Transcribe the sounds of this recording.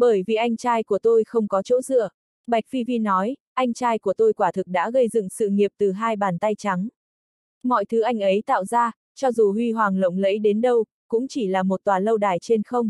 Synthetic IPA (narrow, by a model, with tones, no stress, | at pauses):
ɓəː˧˩jvḭ˧˨ʔa˧jŋ̟t͡ɕaː˧jku˧˩ət̪o˧jxə˧wŋ͡mkɔ˨˦t͡ɕo̰˧˥zɨ̰˧˨ə | ɓa˨˩jk̟̚fi˧vi˧nɔ˨˦jʔa˧jŋ̟t͡ɕaː˧jku˧˩ət̪o˧jkwaː˧˩t̪ʰɨ˨˩k̚ɗa̰ː˧˥ɣə˧jzɨ̰˧˨ŋsɨ̰˧˨ŋi˨˩əp̚t̪ɨ˨˩ɦaː˧jɓaː˨˩nt̪a˧jt͡ɕa˨˦ŋ | mɔ̰˧˨jt̪ʰɨ˨˦ʔa˧jŋ̟ʔə˨˦jt̪a̰ː˧˨wzaː˧ | t͡ɕɔ˧zu˨˩hwi˧ɦwaː˨˩ŋlə̰˧˨wŋ͡mlə̰˧˥jɗe˨˦nɗə˧w | kʊ̰˧˥ŋ͡mt͡ɕi˧˩laː˨˩mo˨˩t̚t̪waː˨˩lə˧wɗaː˨˩jt͡ɕe˧nxə˧wŋ͡m